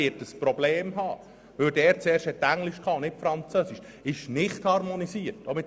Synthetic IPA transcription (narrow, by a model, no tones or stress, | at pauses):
ɪtəspɾɔbleːmɦɑː | ʋɵldɛːɾt͡sɛːɾrʃthɛtːæŋlɪʃkʰɑːʊnnɪtfɾɑnt͡søsiʃ | ɪʃnɪχthɑrmonisiərtomɪt